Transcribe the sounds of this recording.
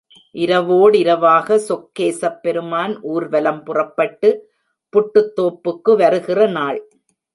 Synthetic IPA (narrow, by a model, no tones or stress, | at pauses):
ʔɪɾɐʋoːɽɪɾɐʋaːɣɐsɔkːeːsɐpːɛɾɯmaːnʔuːɾʋɐlɐmpʊrɐpːɐʈːɯ | pʊʈːɯt̪ːoːpːɯkːɯʋɐɾɯɣɪrɐnaːɭ